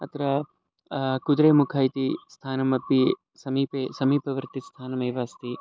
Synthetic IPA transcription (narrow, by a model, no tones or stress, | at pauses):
ɐt̪ɾɐ | kud̪ɾeːmukʰaːit̪ist̪ʰaːnɐmɐpi | sɐmiːpeːsɐmiːpɐʋɐɾt̪ist̪ʰaːnɐmɐːʋaːst̪i